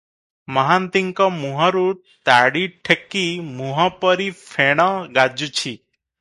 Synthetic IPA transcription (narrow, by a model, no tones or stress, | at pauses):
məɦant̪iŋkɔ̃muɦɔ̃ɾu | t̪aɽiʈʰekːimuɦɔ̃pəɾifʰeɽ̃ɔ̃ɡad͡ʒut͡ʃʰi